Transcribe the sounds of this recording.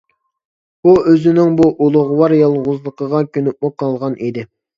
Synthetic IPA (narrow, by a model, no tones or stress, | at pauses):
b̥uøzɪnɪŋbuʔulˠʊʁwɑɾjɑlˠʁʊzlˠəqəʁɑkʲʰønyp̚mʊqʰɑlˠʁɑnid̪ɪ